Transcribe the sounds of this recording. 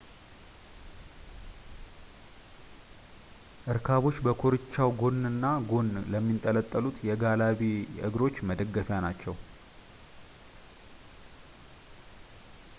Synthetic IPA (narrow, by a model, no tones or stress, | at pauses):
ʔɨɾkʰaβo̞t͡ʃːbəkʰoɾɨt͡ʃːawɡo̞nːɨnːaɡo̞nləmːint̪ʼələt̪ʼːəlut̪jɛɡalaβiʔɨ̰ɡɾo̞t͡ʃːməd̪əɡːəfjanat͡ʃːɛw